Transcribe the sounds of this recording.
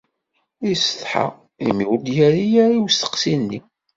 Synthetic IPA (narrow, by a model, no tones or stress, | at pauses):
isəθˤħa̰ | imiwd̪jæɾijæɾiwst̪ə̥qsinːi